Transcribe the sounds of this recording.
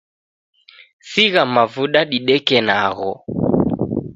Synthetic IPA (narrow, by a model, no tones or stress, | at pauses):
siɣamavuɗaɗiɗɛkɛnaɣɔ